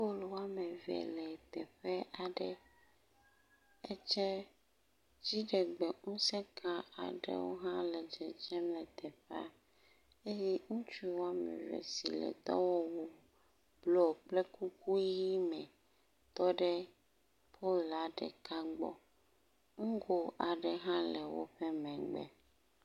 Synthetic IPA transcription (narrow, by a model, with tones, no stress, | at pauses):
po˦lwo˦a˦mɛ̃˨vɛ̰˨lɛ˨t̪ɛ˨ɸɛ˦ʔa˨ɖɛ˦ | ɛ˦t͡ʃɛ˦ | d͡ʑi˦ɖɛ˨ɡ͡bɛ˨ŋũ˦sɛ˦kʰã˦a̰˨ɖɛ̰˦wo̰˦ɦã˦lɛ˨d͡ʒɛ˨d͡ʒɛ˦mlɛ˨t̪ɛ˨ɸɛ˦a̰˦ | e˦jɛ˦ŋũ˦t͡ʃu˦wo˦a˦mɛ̰̃˨vɛ̰˨sḭ˨lɛ̰˨t̪ɔ̰˦wɔ˦wo˦ | blɔ˦˨k͡plɛ˦ku˦ku˦ji˦mɛ̃˨ | t̪ɔ˦ɖɛ˦ | pʰo˦la˨ɖɛ̰˨ka˦ɡ͡bɔ̰˦ | ŋũ˦ɡo˦a˨ɖɛ˨ɦã˦lɛ˨wo̰˦ɸɛ˦mɛ̃˨ɡ͡bɛ̰˦